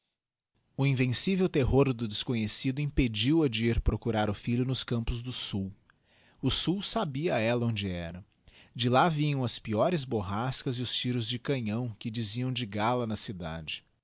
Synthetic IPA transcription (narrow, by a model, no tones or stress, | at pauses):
ʊĩvẽsivewt̪eɦoɾd̪ʊd͡ʒ̪ɪskõɲesid̪ʊĩped͡ʒiwɐd͡ʒɪiɾpɾokuɾaɾʊfiʎʊnʊskɐ̃mpʊzd̪ʊsuw | ʊsuwsabiɐɛlɐõd͡ʒɪɛ̰ɾɐ | d͡ʒɪlavĩɲɐ̃w̃ɐspiɔɾɪzboɦaskɐziʊst͡ʃiɾʊzd͡ʒɪkɐ̃ɲɐ̃w̃kɪd͡ʒiziɐ̃w̃d͡ʒɪɡalɐnɐsid̪a̰d͡ʒɪ